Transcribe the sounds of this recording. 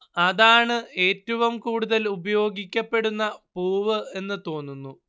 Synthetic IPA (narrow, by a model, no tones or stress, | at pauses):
ɐðaːɳɨe̞ːtːɐʋumkuːɽuðɐlubɐjo̞ːɡikʲːɐpːe̞ɽunːɐpuːʋɨe̞nːɨt̪o̞ːnːunːu